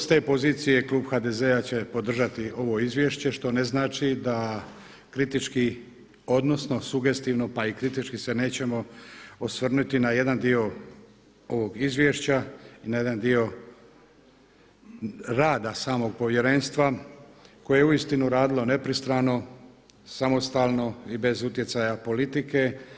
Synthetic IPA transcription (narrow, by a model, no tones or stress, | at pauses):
st̪e̞ːpo̞ziːt̪sije̞kluːbxaːd̪e̞zeat͡ɕe̞po̞d̪r̩ʒat̪io̞ʋo̞izʋʲje̞ʃt͡ɕe̞ʃt̪o̞ne̞znaːt͡ʃid̪a | kɾit̪it͡ʃki | o̞d̪no̞sno̞suɡe̞st̪iːʋno̞paikɾit̪it͡ʃkise̞ne̞ːt͡ɕe̞mo̞osʋr̩nut̪inaje̞d̪and̪io̞ | o̞ʋo̞ɡizʋje̞ʃt͡ɕainaje̞d̪and̪io̞ | ɾaːd̪asaːmo̞ɡ̚po̞ʋje̞ɾe̞nst̪ʋa | ko̞jejeuist̪inuɾaːd̪ilo̞ne̞pɾist̪ɾaːno̞ | samo̞st̪aːlˠno̞ibe̞zut̪je̞sajapo̞lit̪ike̞